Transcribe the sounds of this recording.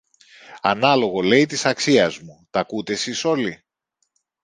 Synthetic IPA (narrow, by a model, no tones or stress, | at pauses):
ɐnɐlo̞ɣo̞le̞it̪isɐksiɐzmut̪ɐkut̪e̞siso̞li